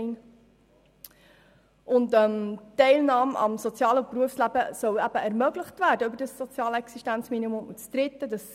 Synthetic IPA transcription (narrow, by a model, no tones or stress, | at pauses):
n | ʔʊntœmtːɛɪlnɑːmɑ̰msot͡sjɑːlpruəfslæbəsœwæb̥əɛɾmœɡləχtvæːɾdəʏbəɾdəsːot͡sjɑːlɛksiʃtænt͡sminimʊmut͡sd̪̥ɾɪt̪ːədɑs